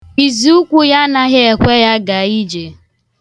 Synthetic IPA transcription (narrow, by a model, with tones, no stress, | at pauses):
i˨zi˨u˦kʷu˦ja˦na˦ɣɪ˦e˨kʷe˦ja˦ɡa˨i˦d͡ʒe˨